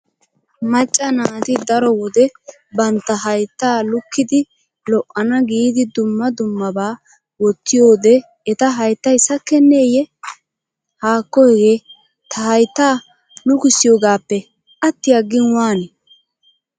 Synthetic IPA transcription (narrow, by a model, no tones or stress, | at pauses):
mɐt͡ʃʼːɐnaːt̪ɪd̪ɐɾɔwɔd̪ɛ | bɐnt̪ːɐɦɐjt̪ːaːlʊkːɪd̪ɪ | lɔʔːɐnɐɡiːd̪ɪd̪ʊmːɐd̪ʊmːɐbaː | wɔt̪ːɪjo̞ːd̪ɛ | ɛt̪ɐɦɐjt̪ːɐjsɐkːɛnːe̞ːjɛ | haːkːɔɡeː | t̪ʰɐɦɐjt̪ːaː | lʊkɪsːɪjoːɡaːpːɛ | ʔɐt̪ːɪjɐɡːɪnwaːnɛ